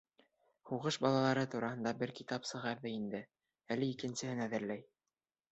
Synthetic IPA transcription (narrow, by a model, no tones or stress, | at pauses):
huʁɤʃbɑlˠɑlˠɑɾɤt̪uɾɑhɤ̆nd̪ɑbɘɾkit̪ɑpsɤ̆ʁɑɾðɤind̪ɘ | ælɘikɘ̆nsɘ̆hɘnæðɘ̆ɾlæj